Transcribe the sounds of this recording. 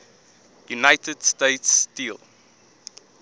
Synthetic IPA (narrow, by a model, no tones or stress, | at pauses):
junaɪtʰəd̥steɪtstilˠ